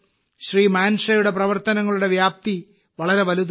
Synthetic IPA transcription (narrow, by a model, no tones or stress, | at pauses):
ɕriːmaːnʂɐjuɽe̞prɐʋɐrt̪ɐnɐŋːɐɭuɽe̞ʋjaːp̚t̪i | ʋɐɭɐɾe̞ʋɐlud̪